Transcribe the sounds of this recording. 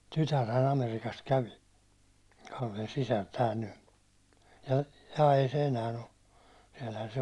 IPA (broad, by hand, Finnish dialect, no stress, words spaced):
tytærhæn ɑmerikɑst kæʋi kɑlːen sisær tæːl ny jɑ ei se enæːn̞ o siɛlhæn se